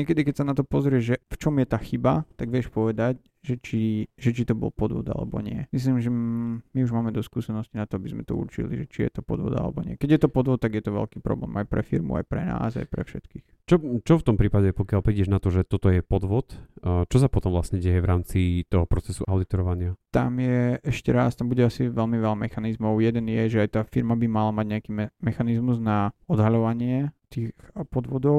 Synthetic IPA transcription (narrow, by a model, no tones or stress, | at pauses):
ɲɪɛkɛd̪ikɛcsanat̪ɔpɔzɾɪɛʒʒɛft͡ʃɔmjɛt̪aːxibat̪aɡʋɪɛʃpɔʋɛd̪ac | ʒɛt͡ʃiʒɛt͡ʃit̪ɔbɔ̰lpɔd̪ʋɔ̰d̪a̰lɛ̰bɔ̰ɲɪɛmis̬limʒɛmiuʒmaːmɛd̪ɔskuːsɛnɔscinat̪ɔabizmɛt̪ɔṵɾt͡ʃḭlḭʒɛt͡ʃijɛ̰t̪ɔpɔd̪ʋɔ̰d̪a̰lɛ̰bɔɲɪɛ̰kɛɟjɛt̪ɔpɔd̪ʋɔt̪ːaɡjɛt̪ɔʋɛ̰lkiːpɾɔ̰blɛ̰ːmajpɾɛfiɾmṵa̰jpɾɛna̰ːza̰jpɾɛ̰fʃɛt̪kiːx | t͡ʃɔt͡ʃɔft̪ɔmpɾiːpaɟɛpɔkjalpɾiɟɛʒnat̪ɔʒɛt̪ɔt̪ɔjɛpɔd̪ʋɔt̪t͡ʃɔsapɔt̪ɔmvlasɲɛɟɛjɛʋɾaːmt͡sit̪ɔɦɔpɾɔt͡sɛsuʔaʊd̪it̪ɔɾɔʋaɲɪat̪a̰mjɛʔɛʃcɛɾast̪ambuɟɛasiʋɛlmiʋɛlamɛxanizmɔʊjɛd̪ɛnjɛʒɛajt̪aːfiɾmabimalamaɟɲɛakiːmɛmɛxanizmuznaɔd̪ɦaʎɔʋaɲɪɛt̪iːxpɔd̪ʋɔd̪ɔʊ